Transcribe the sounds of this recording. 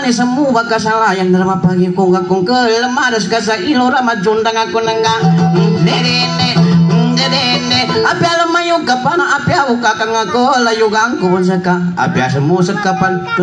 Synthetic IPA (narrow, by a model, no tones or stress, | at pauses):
nis̬əmubakas̬alajandəɾamapaɡikuŋɡakuŋkəlləmaɾəskas̬ailoɾamad͡ʒundaŋakunəŋɡadeɾenededeneapialəmajokapanaʔapiaukakaŋakolajuɣaŋkobɔns̬əkaa̰piasəmusəkːapan